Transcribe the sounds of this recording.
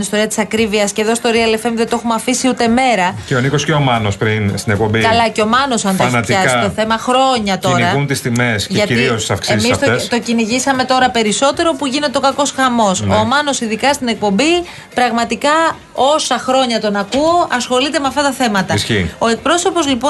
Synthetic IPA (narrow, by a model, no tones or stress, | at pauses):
inist̪o̞ɾiɐt̪isɐkɾiviɐsce̞ðo̞st̪oɾiɐle̞femðet̪o̞xumɐfisiut̪e̞me̞ɾɐceonikosceomɐnospɾinst̪inek̚pombikɐlɐceo̞mɐno̞sɐnt̪onɐçɐzt̪oθe̞mɐxɾo̞ɲɐt̪o̞ɾɐunt̪ist̪ime̞scʝɐtiiost̪i̥sɐfksezmissoest̪o̞ciniʝisɐme̞t̪o̞ɾɐpe̞ɾiso̞t̪e̞ɾo̞puʝine̞t̪eo̞kɐko̞sxɐmo̞soːmɐno̞siðikɐst̪ine̞k̚po̞mbi | pɾɐɣmɐt̪ikɐ | o̞sɐxɾo̞ɲɐt̪o̞nɐkuo̞ʔɐsxo̞lit̪e̞meɐft̪ɐt̪ɐθe̞mɐt̪ɐsçio̞e̞k̚pɾo̞so̞po̞zlipo̞